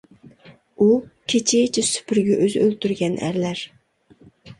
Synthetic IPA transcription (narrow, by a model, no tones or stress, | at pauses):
ukʲʰet͡ʃʰit͡ʃʰɪsy̥pʰyɾɡʲɛʔøzølt̪yɾɡʲɛnʔæ̰ɾlæɾ